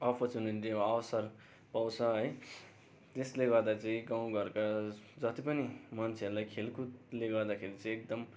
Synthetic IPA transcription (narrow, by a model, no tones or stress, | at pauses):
ʌpʰʌrt͡suniʈiʌːwʌsʌr | paw̃t͡sʰʌɦʌj | d͡zesleɡʌrd̪at͡sʌĩɡaw̃ɡʌɾkad͡zʌt̪ipʌnimʌnt͡sʰeʌɾulajkʰelkut̪leɡʌɾd̪akʰeɾit͡sʌĩek̚d̪ʌm